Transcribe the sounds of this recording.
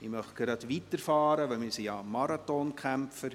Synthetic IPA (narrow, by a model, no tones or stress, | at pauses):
imœχɡ̥ɾɑtvitərfɑːɾəʋəlmisiɑmɑɾɑtɔnkʰχæmfə